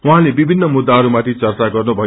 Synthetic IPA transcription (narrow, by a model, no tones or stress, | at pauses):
uɦãlebibʱinːʌmud̪ːaɦʌɾumat̪ʰit͡sʌrt͡saɡʌrnubʱʌj